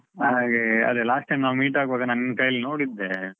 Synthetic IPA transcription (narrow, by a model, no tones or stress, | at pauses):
ɦaɡeɐ̰d̪elaːsʈːɐjmnaːʋmiːʈaːɡbaːɡɐnɐnkɐjɐlnoːɽid̪ːe